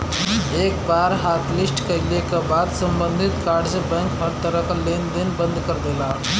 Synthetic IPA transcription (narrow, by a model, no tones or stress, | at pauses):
eːk̚baːɾɦaːt̪ʰlɪsʈkəlekabaːd̪sə̃mbə̃nd̪ʱɪt̪kaːɖzebɛ̃ːŋkɦəɾt̪əɾəkleːnd̪enbə̃nd̪kəɾd̪ela